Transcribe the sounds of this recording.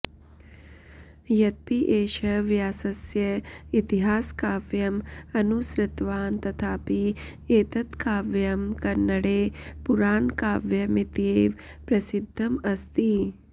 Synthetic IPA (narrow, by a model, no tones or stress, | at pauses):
jɐt̪̚piʔeːʃɐʋjaːsɐsjɐit̪iɦaːskaːʋjɐmɐnusɾɪt̪ʋaːnt̪ɐt̪ʰaːpi | eːt̪ɐt̪kaːʋjɐmkɐnːɐɽeːpuɾaːnkaːʋjɐmit̪eːʋ | pɾɐsid̪ʱːɐmɐst̪i